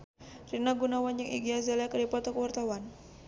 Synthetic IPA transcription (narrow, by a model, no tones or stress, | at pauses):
rinaɡunawand͡ʒaŋḭɡiazalakədipat̪ɔkəwart̪awan